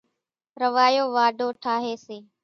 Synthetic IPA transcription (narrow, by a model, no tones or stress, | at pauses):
ɾəʋaːjoːʋaːɖʱoːʈʰaːɦeːseː